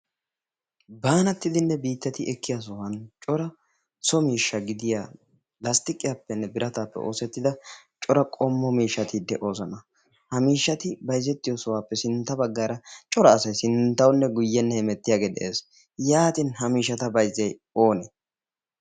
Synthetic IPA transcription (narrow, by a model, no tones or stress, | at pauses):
baːnɐt̪ːɪd̪ɪnːɛbiːt̪ːɛt̪ɪɛkːɪjas̬ɔwɐnt͡ʃʼɔɾɐ | sɔmiːʃːɐɡɪd̪ɪjaː | lɐst̪ɪkʼɪjaːpːɛnːɛbɪɾɐt̪aːpːɛ̰ʔo̞̰ːsɛt̪ːɪd̪ɐt͡ʃʼɔɾɐkʼɔmːɔmiːʃːɐt̪ɪd̪ɛʔo̞ːzɐnɐ | hɐmiːʃːɐt̪ɪbɐjzːɛt̪ːɪjɔsɔwaːpːɛsɪnt̪ːɐbɐɡːaːɾɐt͡ʃʼɔɾɐːsɐjsɪnt̪ːɐwʊnːɛɡʊjːɛnːɛhɪmɛt̪ːɪjaːɡeːd̪ɛ̰ʔḛːs | jaːt̪ɪnhɐmiːʃːɐt̪ɐbɐjzːɐj | o̞ːnɛ